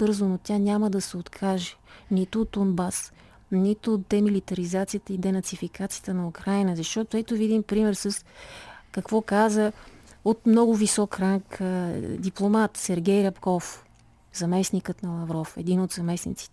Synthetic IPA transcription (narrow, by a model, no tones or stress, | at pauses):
bɤɾzonot̪ʲanʲaməd̪ɐsɛot̪kʰaʒɛ̥nit̪ʊːd̪̚d̪onbas | nit̪ʊːt̪̚d̪ɛmilit̪ɐɾizat̪sijət̪əid̪ɛnɐt̪sifikat̪sijə̥t̪ənɐukɾajnəzɐʃt̪ɔt̪oɛt̪ovid̪impɾimɛɾsəskɐkvɔkazəot̪mnɔɡʊvisɔkɾaŋkd̪iplˠomat̪sɛɾɡʲɛjɾɐpkɔf | zɐmɛsnikət̪nɐlˠɐvɾɔfɛ̰d̪inod̪zɐmɛsnḭt̪si̥t̪ɛ